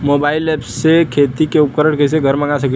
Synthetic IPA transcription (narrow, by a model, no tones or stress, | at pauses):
moːbaːɪlɛːpssekʰeːt̪ikeʊp̚kəɾəɽkes̬eɡʱɐɾmɐ̃ŋɡasɐk